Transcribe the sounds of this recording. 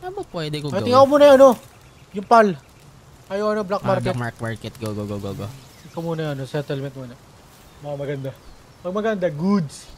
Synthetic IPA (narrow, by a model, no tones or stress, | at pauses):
ɐmopwɛd̪ɛkoɐj̪ɪŋɐkomuːnɐʔɐno̞ | jʊŋpal | ʔɐjowʔɐnoblak̚mmaɾkɛt̪makmaɹkɛt̪̚ɡoɡoɡoɡoɡo | ɪkomuːnɐjʔɐnosɛt̪ɛlmɛnt̪̚muːnɐ | mɐkɐmɐɡɐnd̪a | mɐɡ̚mɐɡɐnd̪aɡud̪s